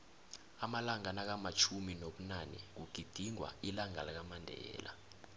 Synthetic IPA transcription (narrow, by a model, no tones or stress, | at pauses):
amalaŋanak̬amat͡ʃʰuminoɓunanɛ̰k̬uɡ̥ʱid̥ʱiŋwa̰ilaŋalak̬amandʱɛ̰ːlʔa̰